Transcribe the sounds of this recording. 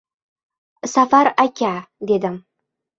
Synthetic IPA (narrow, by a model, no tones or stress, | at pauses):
safaɾakʲad̪ed̪ɪm